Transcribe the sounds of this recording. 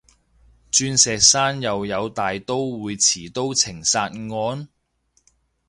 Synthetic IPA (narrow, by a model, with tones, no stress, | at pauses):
t͡ʃyː˧nsɛː˨k̚saː˥njɐ˨wjɐ˨˧wt̪aː˨jt̪o˥wːuː˨˧jt͡sʰiː˨˩t̪o˥wt͡sʰɪ˨˩ŋsaː˧t̚ŋɔː˨˧n